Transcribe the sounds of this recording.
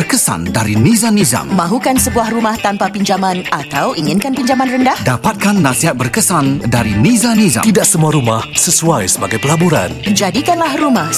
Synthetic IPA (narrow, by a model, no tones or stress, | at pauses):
bərkəsa̰ndaɾinĩzaniza̰ŋmãɦukansəbuahrumaht̪ampapiɲd͡ʒamãnat̪awʔiŋɪnkanpiɲd͡ʒamanrəndahdapat̪̚kanːãsiɦat̪̚bərkəsandaɾinizanĩza̰t̪idaʔsəmuaɾumahsəsuajsəbaɡajpəlabuɾa̰nd͡ʒadikanlahrumah